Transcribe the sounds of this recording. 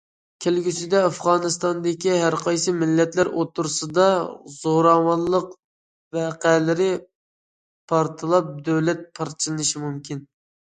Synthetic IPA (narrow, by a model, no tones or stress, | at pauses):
kʲʰelɡʲysɪd̪ɛɑfʁɑːnɨst̪ɑnd̪ɪkʲiɦæɾqʰɑjsɨmɪlːɛt̪læɾʔot̪ʰːuɾsɨd̪ɑz̥oɾɑmɑnlˠəq | vɛqælɪɾɪ | pʰɑɾt̪ʰɨlˠɑp̚d̪øwlɛt̪̚pʰɑɾt͡ʃʰilˠɨnɨʃimumkʲʰin